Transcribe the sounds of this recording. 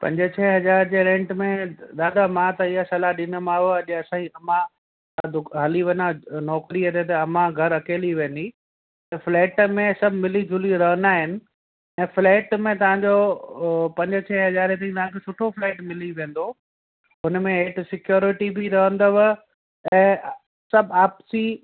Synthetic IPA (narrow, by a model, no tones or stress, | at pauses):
pɐ̰̃ɲd͡ʑət͡ɕʰɛːɦɐzaːɾd͡ʑeɾɛ̃ːɳʈmẽd̪aːd̪amãt̪ɐɪɦasɐlaɗɪnə̆mãːɦoɐʄɐsãːiɐmã | d̪ʊɦɐliʋɐnanɔːkɾiɐt̪et̪ɐɐmãɡʱɐɾɐkeːliʋẽːnd̪i | t̪ɐfleːʈmẽsɐbʱmɪlid͡ʑʱʊliɾɐɦə̃nd̪aːɦɪnɪ̆ | ɛ̃ːfleːʈmẽt̪ɐʋ̤ãɲd͡ʑo | pɐ̃ɲd͡ʑət͡ɕʰɛːɦɐzaːɾet̪̬ɐ̃ĩt̪ɐʋ̤ãkʰeːsʊʈʰofleːʈmɪliʋẽːn̆d̪o | ʊnmẽɦeʈsɪkjoːɾɪʈibʱiɾɐɦə̃nd̪oʋ | ɛ̃ː | sɐbʱaːpsi